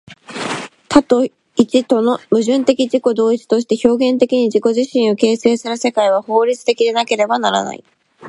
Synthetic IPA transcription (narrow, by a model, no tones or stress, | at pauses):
t̪ʰat̪o̞ | it͡ɕit̪o̞no̞mɯ̟ʑɨ̃nt̪e̞kʲiʑiko̞d̪o̞ːit͡si̥t̪o̞ɕi̥t̪e̞ço̞ːɡẽ̞nt̪e̞kʲiɲ̟iʑiko̞ʑiɕĩɰ̃o̞ke̞ːse̞ːsɨɾɯse̞kaiβ̞aho̞ːɾʲit͡sɨ̥t̪e̞kʲid̪e̞nake̞ɾe̞banaɾa̰na̰ḭ